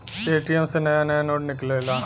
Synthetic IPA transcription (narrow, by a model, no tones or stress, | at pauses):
eːʈiɛmsenəjãːnəjãːnoːʈnɪkleːlaː